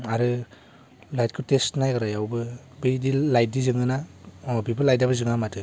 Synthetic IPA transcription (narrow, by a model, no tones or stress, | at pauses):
aɾɯ | lajt̚kʰɯtestnajɡɯɾajawbɯ | bɯjdilajt̚dizɯŋɯnaɔbibɯlajt̚dabɯzɯŋamatɯ